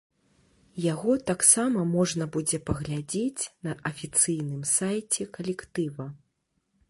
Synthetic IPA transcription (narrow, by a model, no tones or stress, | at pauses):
jaɣɔt̪aksamɐmɔʐnɐbud͡zʲɛpɐɣlʲad͡zʲet͡sʲnɐʔɐfʲit̪sɨjnɨmsajt͡sʲɛkɐlʲɛkt̪ɨvɐ